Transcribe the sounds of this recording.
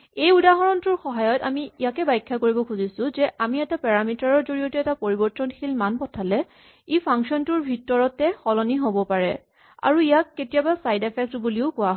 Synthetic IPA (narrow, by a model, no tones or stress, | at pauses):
ejudaɦɔɹɔntʊɹxɔɦajɔtamiijakɛbajkʰːakoɹibɔkʰuzisʊ̃zɛʔamiɛtapɛɹamitaɹɔɹzoɹijɔtɛɛtapoɹibɔɹtɔnxʰilmanpɔtʰalɛ | ipʰaŋksɔntʊɹbʱitɔɹɔtɛxɔlɔniɦobɔpaɹɛ̰ | a̰ɹuijakːetijabasajdepʰɛk̚tbuliʊkʊaɦ